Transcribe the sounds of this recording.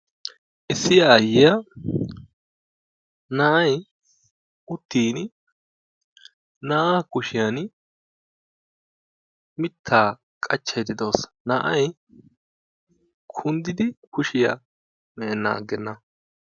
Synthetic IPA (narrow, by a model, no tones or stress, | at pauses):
ʔɪsːɪjaːjːɪjɐ | nɐʔɐj | ʊt̪ːiːn | naːakʊʃɪjan | mɪt̪ʰːaː | kʼɐt͡ʃːɐjd̪ɪd̪o̞ːs | nɐʔɐ̰j | kʰʊnd̪ɪd̪ɪkʊʃɪja̰ | mɛːnːa̰ːɡːɛnːɐ